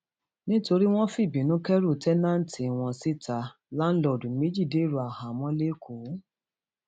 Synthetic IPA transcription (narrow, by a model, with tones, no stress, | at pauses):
nĩ˦to˧ɾi˦w̃ɔ̃˦fi˦˨bĩ˨nũ˨˦kɛ˦ɾu˦˨tɛ˦nã˦n̩˦ti˧˨w̃ɔ̃˧si˦ta˧ | la˦n̩˦lɔ˨dũ˨me˨˦d͡ʒi˦˨de˨˦˨ɾu˨a˨hã˨mɔ̃˦le˦kʰo˨˦